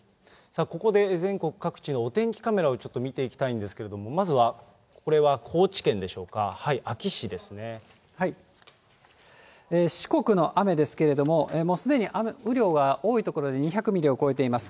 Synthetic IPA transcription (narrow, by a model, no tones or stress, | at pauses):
sako̞ko̞d̪e̞zẽ̞ŋko̞kɯ̟̥kakɯ̟̥t͡ɕinoːt̪ẽ̞ŋkʲi̥kame̞ɾao̞t͡ɕo̞t̪ːomʲit̪e̞ikʲi̥t̪aĩnd̪e̞sɨ̥ke̞ɾe̞d̪o̞mo̞mazɨβa | ko̞ɾe̞βakʰo̞ːt͡ɕi̥kẽ̞nd̪e̞ɕo̞ːkahaiʔakʲiɕid̪e̞sɨne̞ | hai | eːɕi̥ko̞kɯ̟no̞ʔame̞d̪e̞sɨ̥ke̞ɾe̞d̪o̞mo̞eːmo̞ːsɨd̪e̞ɲ̟iʔameɯ̟ɾʲo̞ːɡao̞ːit̪o̞ko̞ɾo̞d̪e̞ɲ̟içakɯ̟mʲiɾʲeoko̞e̞t̪e̞imasɨ̥